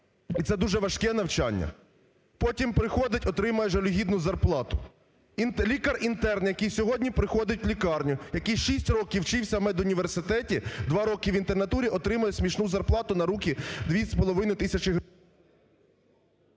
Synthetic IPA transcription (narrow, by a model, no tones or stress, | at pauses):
it̪sɛd̪uʒɛʋɐʃkɛn̪ɐwt͡ʃɑ̰nʲːɐ̰ | pɔtʲimpɾɪxɔd̪ɪtʲɔt̪ɾɪmɐjɛʒɐlʲʊɦʲid̪nʊzɐrplˠɑt̪ʊ | nlʲikɐrint̪ɛrnjɐkijsʲɔɦɔdʲnʲipɾɪxɔd̪ɪtʲwlʲikɑrnʲʊjɐkijʃisʲtʲrɔkʲiwt͡ʃɪwsʲɐmɛd̪ʊnʲiʋersɪt̪ɛtʲid̪ʋɑɾɔkɪʋint̪enɐt̪uɾʲiɔt̪ɾɪmɐjɛsʲmʲiʃnuzɐrplˠɑt̪ʊnɐɾukʲid̪ʋʲisʲpɔlˠɔʋɪnɪt̪ɪsʲɐt͡ʃɪɦ